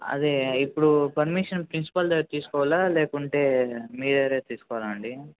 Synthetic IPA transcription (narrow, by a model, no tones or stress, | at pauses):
ɐ̰d̪iipːuɽupɐɾmiʂɐnpɾinsi̥pɐlt̪iːsu̥kɔːʋalaleːkuɳʈe̞ːmiːd̪ɐɾeːt̪iːsu̥kɔʋlaɐɳɖi